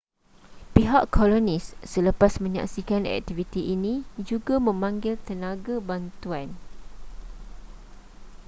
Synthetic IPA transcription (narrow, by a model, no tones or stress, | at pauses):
piɦaʔkʰːolonisːələpasmə̃ɲa̰ksikanɛ̰k̚t̪ivit̪iʔinĩd͡ʒuɡamə̃mãŋɡɪlt̪ənaɡabant̪uan